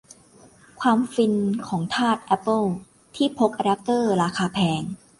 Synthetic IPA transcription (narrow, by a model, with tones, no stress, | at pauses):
kʰwaː˧mfi˧nkʰɔː˩˦ŋt̪ʰaː˥˩t̪̚ʔɛ˦˥pːɤ˥˩ | t̪ʰiː˥˩pʰo˦˥k̚ʔa˧da˦˥p̚t̪ɤː˥˩ɾaː˧kaː˧pʰɛː˧ŋ